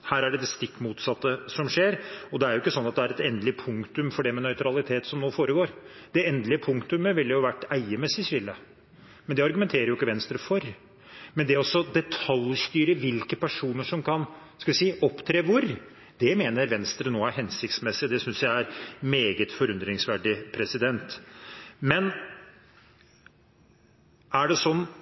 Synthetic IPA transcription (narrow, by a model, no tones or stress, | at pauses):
hæːɾæɖɛd̪ɛst̪ɪkːmuːt̪sɑt̪ːəsɔmʂeːɾɔd̪ɛæɾjʊɪkːəsɔnːɑt̪̚d̪ɛæɾɛt̪ɛnd̪lɪpʰʊŋkt̪ʉmfɔɖɛmɛnœʏt̪ʰɾɑlɪt̪ʰeːt̪sɔmnoːfoːɾəɡoːɾd̪̥ɛɛnd̪lɪəpʰʊŋkt̪ʉməʋɪlːəjʊʋæʈːæɪəmɛsːɪsɪlːə | mɛnd̪ɛɑɾɡʉmɛnt̪ʰeːɾəjʊɪkːəʋɛnst̪ɾəfɔɾ | mɛnd̪ɛæɾɔsːɔd̪ɛt̪ʰɑljst̪yːɾəʋɪlkəpæʂuːnəʂɔmkʰɑn | skɑʋɪsiːʔɔpːt̪ʰɾeːʋʊɾ | d̪̥ɛmeːnəɾʋɛnst̪ɾənoːæɾhɛnsɪkt̪smɛsːɪd̪ɛsʏnsjæɪæɾmeːɡət̪fɔɾʉnd̪ɾɪŋsʋæɖɪpʰɾɛsɪd̪ɛnt̪ | mɛn | æɖɛsɔnː